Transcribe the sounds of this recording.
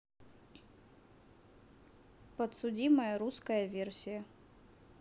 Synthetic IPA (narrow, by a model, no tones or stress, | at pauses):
pət̪sʊdʲiməjəɾuskəjəvʲersʲɪjə